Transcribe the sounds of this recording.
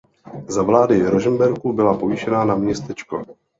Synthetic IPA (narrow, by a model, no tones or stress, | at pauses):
zavlaːdɪɾoʒɛmbɛɾkubɪlapo̞viʃɛnanamɲɛst̪ɛt͡ʃko̰